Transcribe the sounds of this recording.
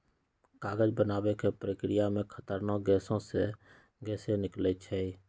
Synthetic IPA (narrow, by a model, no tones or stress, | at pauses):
kaːɡəd͡ʒbənaːbekepɾəkɾijamẽkʰət̪əɾnoɡɛːsõse | ɡɛːsenɪklət͡ʃʰɛi